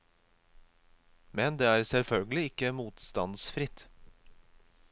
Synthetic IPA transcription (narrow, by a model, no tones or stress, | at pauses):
mɛnd̪eːæːɾsɛlfœlɡəlɪɪkəmuːt̪st̪ɑ̰nsfɾɪt̪